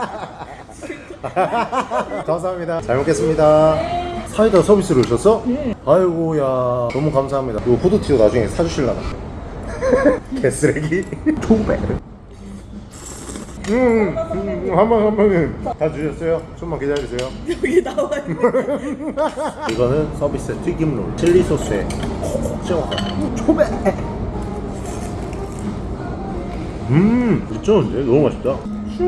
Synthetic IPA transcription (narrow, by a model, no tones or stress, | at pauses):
kams̬ʰaɦamɲidat͡ɕaɭmok͈e̞s͈ɯmɲida | sʰaiɡasʰʌbis͈ɯɾoiɕʰʌs͈ʰʌaɭɡojanʌmukamsʰaɦamɲidaopʰodotʰidonad͡ʑuŋesʰad͡ʑuɕʰiɭːaɡa | kʰes͈ɯɾeɡit͡ɕobḛɾɯ | ɯ | hambʌnhambʌnɯntat͡ɕuɕʌs͈ʌjot͡ɕomakedaisʰejoitaɡa | iɡʌnɯnsʰʌbis͈ɯtʰiɡimlo̰ɾt͡ɕʰiɭːisʰosʰekʌkok̚t͡ɕ͈ewaat͡ɕʰobe | ɯit͡ɕ͈ʰʌɯnd͡ʑenomuaɕi̥p̚t͈a